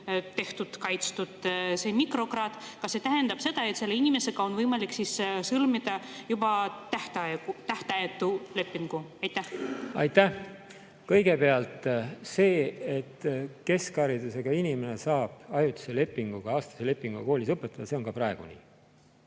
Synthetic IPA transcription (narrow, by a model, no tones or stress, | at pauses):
t̪e̞ht̪ut̪kɑjt̪st̪ud̪̥se̞mikro̞krɑːd̪̥kɑset̪æɦe̞nd̪ɑb̥se̞d̪̥ɑe̞t̪se̞lːeinʲime̞seɡ̥ɑo̞nvɤjmɑliksissɤlmid̪ɑjub̥ɑt̪æht̪ɑeɡut̪æht̪eɑjet̪ˑːule̞pːˑiŋɡ̥uɑjt̪ːˑæhɑjt̪ːæh | kɤjɡ̥e̞pe̞ɑlt̪se̞ːet̪ːke̞skɑɾid̪use̞ɡ̥ɑinimene̞sɑːb̥ɑjut̪i̥sele̞pːiŋɡ̥uɡ̥ɑɑːst̪ɑsele̞pːiŋɡ̥uɑko̞ːlisɤpːet̪ːˑɑd̥̪ɑse̞o̞ŋkɑpɾɑeɡ̥ṵnḭ